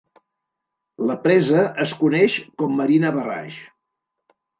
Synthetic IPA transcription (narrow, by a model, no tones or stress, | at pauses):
ləpɾɛzəəskunɛʃkɔmːəɾinəβəra̰ʃ